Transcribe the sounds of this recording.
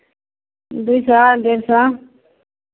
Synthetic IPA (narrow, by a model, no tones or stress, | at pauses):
d̪uisad̪eɾsã